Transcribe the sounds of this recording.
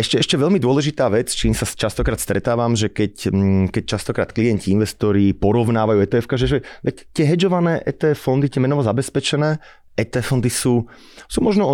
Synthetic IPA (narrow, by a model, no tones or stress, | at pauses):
ɛʃcɛɛʃcɛʋɛʎmid̪ʊɔlɛʒit̪aːʋɛt͡st͡ʃiːmsat͡ʃast̪ɔkɾaːt̪st̪ɾɛt̪aːʋamʒɛkɛckɛc̚t͡ʃast̪ɔkɾaːt̪̚kliɛnciinʋɛst̪ɔɾipɔɾɔʋnaːʋajuːɛt̪ɛːɛfkaʒɛʒɛʋɛct̪ɪɛɦɛd͡ʒɔʋanɛːʔɛ̰t̪ɛːɛffɔnd̪it̪ɪɛmɛnɔʋɔzabɛspɛt͡ʃɛnɛː | ʔɛt̪ɛːfɔnd̪isuː | suːmɔʒnɔ